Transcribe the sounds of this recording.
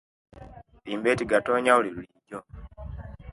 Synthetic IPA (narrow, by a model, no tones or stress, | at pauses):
liːmbeːtiɡato̞ːɲauliluliɟo